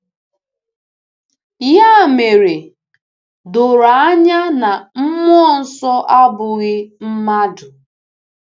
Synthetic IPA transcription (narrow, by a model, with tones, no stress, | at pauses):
ja˦˨me˨ɾe˨ | dʊ˨ɾa˨a˦ɲa˦na˨m̩˦m˦ɔ˦˨n̩˨˦sɔ˦ʔa˦bʊ˨ɣɪ˦m̩˦ma˦dʊ˨